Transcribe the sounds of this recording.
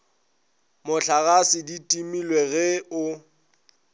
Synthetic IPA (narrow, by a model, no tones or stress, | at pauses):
mʊɬʰaɣasɪditʼimilweɣɛʊ